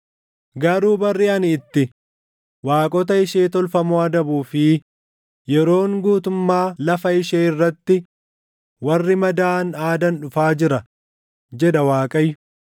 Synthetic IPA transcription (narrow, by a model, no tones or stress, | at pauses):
ɡɐɾuːbɐrːɪɐnɪt̪ːɪ | waːkʼɔt̪̬ɐɪʃeːt̪ɔlfɐmɔɐd̪ɐbuːfɪ | jɛɾo̞ːŋɡuːt̪ʊmːaːlɐfɐɪʃeːɪrːɐt̪ːɪ | wɐrːɪmɐd̪aːnaːd̪ɐnᶑʊfaːd͡ʒɪɾɐ | d͡ʒɛᶑɐwaːkʼɐjːʊ